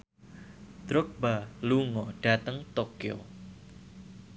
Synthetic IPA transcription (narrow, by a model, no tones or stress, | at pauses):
d̪̥ɾɔk̚baluŋɔɖ̥a̤t̪əŋt̪okio̰